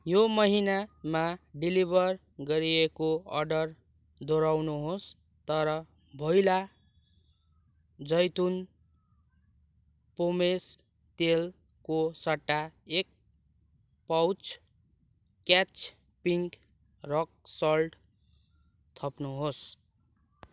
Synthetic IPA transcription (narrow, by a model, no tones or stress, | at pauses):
jomʌɦinamaɖilibʱʌr | ɡʌɾiekoʌ̰rɖʌr | d̪oɾawnuɦos | t̪ʌɾʌ | bʱʌjla | d͡zʌjt̪un | pomes | t̪el | kosaʈːaek̚ | pawt͡s | kat͡s | piŋk | rʌk̚sʌlɖ | t̪ʰʌpnuɦos